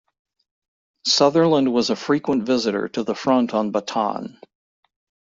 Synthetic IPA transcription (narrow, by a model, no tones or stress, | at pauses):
sʌðə˞lə̃nd̚wʌzəfɹikwə̃ntvɪzɨɾə̰˞ɾɨðəfɹʌ̃ntʰn̩bətʰɑ̰̃n